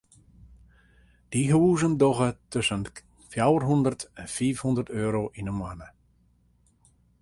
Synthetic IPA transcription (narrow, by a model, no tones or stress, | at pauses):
d̥iɦuːzəndɔɣətøsən | fjawərɦundərtɛnfiːfhundərtøːɾoʔinənmwanə